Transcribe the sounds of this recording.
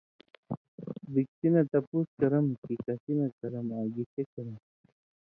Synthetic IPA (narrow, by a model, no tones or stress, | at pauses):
bik̚t̪inat̪ɐpuskɐɾɐmkikɐsinakɐɾɐmaːɡikekɐɾɐm